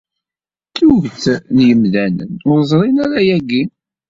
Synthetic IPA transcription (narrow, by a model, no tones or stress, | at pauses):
tːuʝt͡snjəmðænə̰nʊɾzˤɾˤinaɾajæɡi